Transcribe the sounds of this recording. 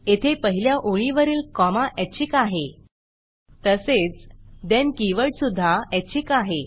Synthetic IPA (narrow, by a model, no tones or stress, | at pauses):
et̪ʰepəɦiljaʔoɭiʋəɾiːlkɔmaʔɛt͡ɕikaɦe | t̪əset͡sd̪ankiʋəʈsud̪ʱːaɛt͡ɕikaɦe